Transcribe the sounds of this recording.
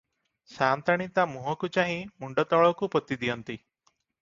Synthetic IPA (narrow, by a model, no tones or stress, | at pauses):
saːnt̪aɽ̃it̪amuɦɔkut͡ʃaɦĩmuɳɖɔt̪ɔɭɔkupɔt̪id̪ijɔnt̪i